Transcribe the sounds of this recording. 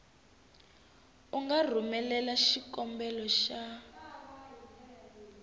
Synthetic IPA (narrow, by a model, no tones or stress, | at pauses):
uŋɡar̤umɛlɛlaʃikɔmbɛlɔʃa